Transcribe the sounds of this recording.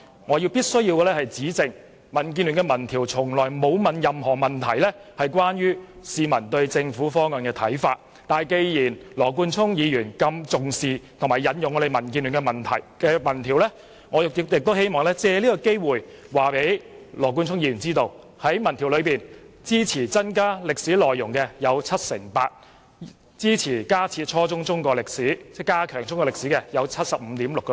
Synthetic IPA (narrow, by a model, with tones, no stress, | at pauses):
ŋɔː˨˧ji˧wpiː˥t̚sɵ˥jiː˧wkɛ˧lɛ˥hɐ˨jt͡siː˨˥t͡sɪ˨˧ŋ | mɐ˨˩nk̬iː˧ny˨˩ŋkɛ˧mɐ˨˩nt̪ʰiː˨˩wt͡sʰʊ˨˩ŋlɔː˨˩jmo˨˧wmɐ˨˧njɐ˨mhɔː˨˩mɐ˨˩nt̪ʰɐ˨˩jlɛ˥hɐ˨jk̬ʷwaː˥njyː˥siː˧mɐ˨˩nt̪ɵ˧ɥt͡sɪ˧ŋfuː˨˥fɔː˥ŋœː˨˩nkɛː˧t̪ʰɐ̰˨˥jfa̰ː˧t̚ | t̪aː˨jke˧jjiː˨˩nlɔː˨˩k̬uː˧nt͡sʰʊ˥ŋjiː˨˧jyː˨˩nkɐ˧mt͡sʊ˨ŋsiː˨t̪ʰmaː˨˩jɐ˨˧njʊ˨ŋɔ˨˧e˨jmɐ˨˩nkiː˧ny˨˩ŋkɛ˧mɐ˨˩nt̪ʰɐ̰˨˩jkɛː˧mɐ˨˩nt̪ʰiː˨˩wlɛ˥ | ŋɔː˨˧jɪ˨kɪ˨jɪ˨k̚t̪o˥whe˥jmɔː˨ŋlɛː˥t͡sɛː˧liː˥kɔ˧ke˥jwuː˨˩j | waː˨pe˨˥jlɔː˨˩k̬u˧nt͡sʰʊ˥ŋjiː˨˧jyː˨˩nt͡siː˥t̪o˧w | hɐ˨˥jmɐ˨˩nt̪ʰi˨˩wlɵ˨˧ɥpiː˨˩nt͡siː˥t͡sʰiː˨˩t͡sɐ˥nkaː˥lɪ˨k̚siː˨˥lɔː˨jːʊ˨˩ŋkɛ˧jɐ˨˧wt͡sʰɐ˥t̚sɪ̰˨˩ŋpa̰ː˧t̚ | t͡siː˥t͡sʰiː˨˩kaː˥t͡sʰiː˧t̚t͡ʃʰɔː˥t͡sʊ˥ŋt͡sʊ˥ŋkɔː˧lɪ˨k̚siː˨˥t͡sɛ˥˩kaː˥kʰœː˨˩ŋt͡sʊ˥ŋkɔː˧lɪ˨k̚siː˨˥kɛː˧jɐ˨˧wt͡sʰɐ˥t̚sɐ˨p̚m̩˨˧t̪iː˨˥mlʊ˨kːɛ˧